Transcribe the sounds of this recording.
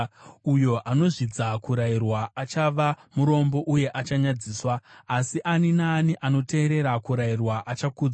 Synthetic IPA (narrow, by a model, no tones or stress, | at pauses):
ujo̞ʔano̞ʐid͡zakuɾairwaːt͡ʃaʋamuɾo̞mbo̞ʔuje̞ʔat͡ʃaɲad͡ziːswaːsiʔaninaːniʔano̞te̞ːɾe̞ɾakuɾairwaʔat͡ʃakud͡za